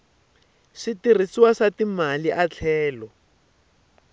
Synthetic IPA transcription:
ʂitir̤isiwaʂatimaliʔat͡ɬʰɛːlɔ

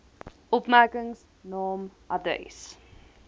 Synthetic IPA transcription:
ʔɔpmærkəŋs | nɑːmʔɐdə̰js

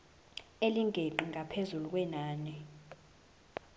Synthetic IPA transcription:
eliŋɡʱeǃiŋɡʱapʰezuluk̬ʼwɛnaːɲɛ

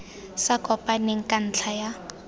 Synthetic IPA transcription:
sakʼɔpʼaneŋ̩kʼan̩t͡ɬʰaja

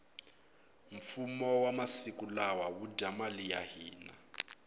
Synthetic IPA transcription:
ɱ̩fumɔwamasikulawawudʱamalija̰ɦiːna̰

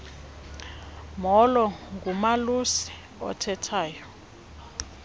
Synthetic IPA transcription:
mɔlɔŋɡumalusi̥ | ɔ̰tʰɛtʰaːjɔ

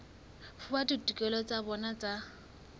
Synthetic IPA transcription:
fʊbadutʼukʼɛlɔt͡sʼabɔnat͡sʼa

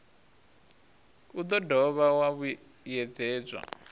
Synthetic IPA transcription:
ud̪ɔdʱɔβawaβu | jɛd͡zɛːd͡zwa̰

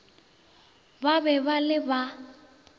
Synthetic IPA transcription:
babɛbalɪba

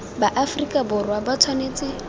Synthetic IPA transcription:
baʔafrikʼabʊrwabat͡sʰwaneːt͡sʼɪ

